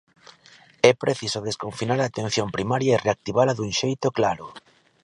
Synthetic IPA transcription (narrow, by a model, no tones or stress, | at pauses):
ɛpɾeθisoðeskoɱfinaɾaːt̪en̟θjompɾimaɾjaereak̚t̪iβ̞alaðuŋʃejt̪ʊklaɾʊ